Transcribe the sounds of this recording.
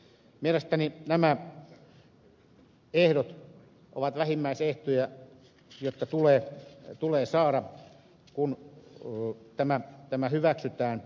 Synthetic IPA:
mielest̪æninæmæ | ehdot̪ | ʔo̰ʋɑt̪ʋæhimːæiseht̪ujæ | jot̪ːɑt̪uleːt̪uleːsɑːɾɑ | kun | t̪æmæt̪æmæhyʋæksyt̪æːn

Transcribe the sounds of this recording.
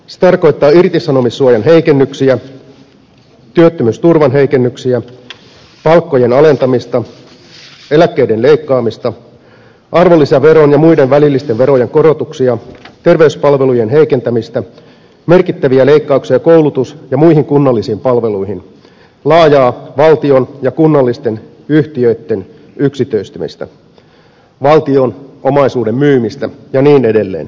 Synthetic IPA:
se̥t̪ɑrko̞jt̪ːɑːirt̪isɑno̞misːuɑjɑnɦe̞ikenːyksiæ | t̪yøt̪ːømyst̪urʋɑnɦe̞ike̞nːyksiæ | pɑlkːo̞je̞nɑle̞nt̪ɑmist̪ɑ | e̞lækːeide̞nle̞ikːɑːmist̪ɑ | ʔɑrʋo̞lːisɑʋe̞ɾo̞njɑmuide̞nʋælilːist̪eʋʋe̞ɾo̞jeŋko̞ɾo̞t̪uksiɑt̪e̞rʋe̞yspɑlʋe̞lujenɦe̞ike̞nt̪æmist̪æ | me̞rkit̪ːæʋiæle̞ikːɑuksiɑkowlut̪usjɑmuiɦiŋkunːɑlːisiːmpɑlʋe̞luihin | lɑːjɑːʋɑlt̪io̞njɑkunːɑlːist̪e̞n | yht̪iøyt̪ːe̞n | yksit̪øist̪ymḭst̪æ̰ | ʋɑlt̪io̞nʔomɑisuːde̞mːyːmist̪æjɑniːne̞de̞lːḛːn

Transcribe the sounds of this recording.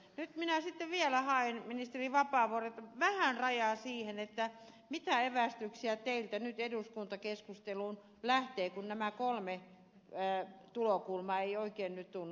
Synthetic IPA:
nyt̪minæsit̪ːeʋiælæhɑenminist̪eriʋɑpɑˑːʋooret̪ʋæhænrɑjɑˑsiːhenet̪ːæ | mit̪æeʋæst̪yksiæt̪eilt̪ænyt̪eduskunt̪ɑkeskust̪eluːn | læht̪eːkunnæmækolme | t̪ulokulmɑeioikeːnnyt̪t̪unː

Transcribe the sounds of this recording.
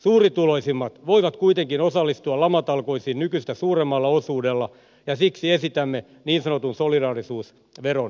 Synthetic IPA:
suːrit̪uloisimːɑt̪ʋoiʋɑt̪kuit̪eŋkinosɑlːist̪uɑlɑmɑt̪ɑlkoisiːnnykysit̪ːæsuːremːɑlːɑosuːdelːɑ | jɑsiksiesit̪æmːe | niːnsɑnot̪unsolidɑːrisuːs | ʋeron

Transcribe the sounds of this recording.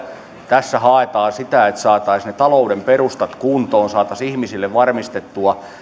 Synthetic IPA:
t̪æsːæhɑˑet̪ɑːsit̪æet̪sɑːt̪ɑisnet̪ɑloudemperust̪ɑt̪kunt̪oːnsɑːt̪ɑsihmisilːeʋʋɑrmist̪et̪ːuɑ

